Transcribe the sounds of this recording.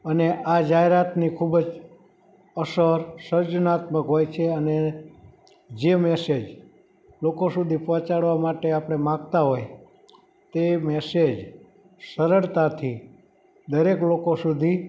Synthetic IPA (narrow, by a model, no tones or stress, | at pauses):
əneʔad͡ʒaɦeɾat̪nikʰubd͡ʒ | əsəɾsəɾd͡ʒnat̪məkɦojt͡ʃʰeəne | d͡ʒemɛsed͡ʒ | lokosud̪ʱipɔ̃t͡ʃaɽʋamaʈeapəɽ̃emãɡt̪aɦoj | t̪emɛsed͡ʒ | səɾəɭt̪at̪ʰi | d̪əɾeklokosud̪ʱi